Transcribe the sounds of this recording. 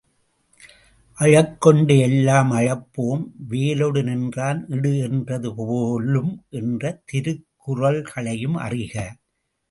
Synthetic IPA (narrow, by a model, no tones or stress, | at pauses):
ʔɐɻɐkːɔɳɖɯɛlːaːmɐɻɐpːoːmʋeːloɽɯnɪndraːnɪɽɯɛndrɐðɯpoːlɯmʔɛndrɐt̪ɪɾɯkːʊrɐlɣɐɭɐjɯmɐ̰rɪɣɐ